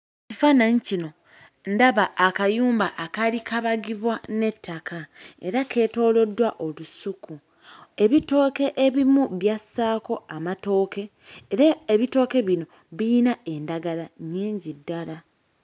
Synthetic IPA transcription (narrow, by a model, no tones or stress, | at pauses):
cifanaɲicino̞ | ndaβaʔːkajuːmbaʔːkalikaβaɡiβwane̞tʰːakʰae̞̰ɾakʰe̞ːto̞ːlo̞dːwaʔo̞lusuku | e̞βito̞ːke̞ʔeβimuβjasːaːko̞amato̞ːke̞ː | ɾaeβito̞ːke̞βino | βinae̞ndaɡalaɲeːɲɟidːala